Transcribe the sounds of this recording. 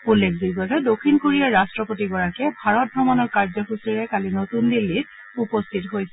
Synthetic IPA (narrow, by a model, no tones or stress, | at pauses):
ulːekʰbiɡɔtɛdokʰːinkoɹijaɹastɹɔpotiɡɔɹakɛbʱaɹɔt̚bʱɹɔmanɔɹkaɹzɔxusiɹɛkalinotundilːit̚ | upostʰitɔɦojsɛ